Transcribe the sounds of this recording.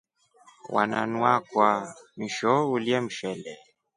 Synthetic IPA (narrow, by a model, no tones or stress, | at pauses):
wʔa̰nanwakwamiʃɔuliɛm̩ʃɛlɛ